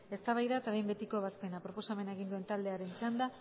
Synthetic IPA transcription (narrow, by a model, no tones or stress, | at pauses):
e̞st̪aβajðaet̪aβe̞jmbe̞t̪iko̞βaspe̞napɾopo̞same̞naeɣ̞ind̪ue̞nt̪ald̪eaɾe̞nt͡ʃand̪a